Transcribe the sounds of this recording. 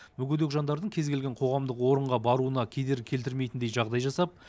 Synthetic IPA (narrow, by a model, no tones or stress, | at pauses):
mɵɡʲʏd̪ekʒɑnd̪ɑɾd̪əɴkʲʰe̞zɡʲe̞lɡʲeɴqʰo̞ʁɑmd̪əqwo̞ɾəɴʁɑbɑɾuənɑkʲʰe̞d̪e̞ɾɪkʲʰe̞lt̪ɪɾmejt̪ɪnd̪ejʒɑʁd̪ɑjʒɑsɑp̚